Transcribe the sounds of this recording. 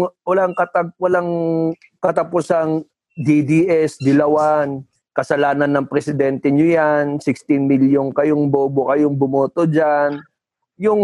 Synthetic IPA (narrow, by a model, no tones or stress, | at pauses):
wɐlaŋkɐt̪ɐɡ̚wɐlaŋ | kɐt̪ɐpʊsaŋ | d̪id̪iʔɛsd̪ɪlɐwan | kɐsɐlaːnɐnːɐŋpɾɛsɪd̪ɛnt̪ɛɲʊjansɪkst̪ɪnmɪljoŋkɐjoŋboːbokɐjoŋbʊmoːt̪od͡ʒan | jʊŋ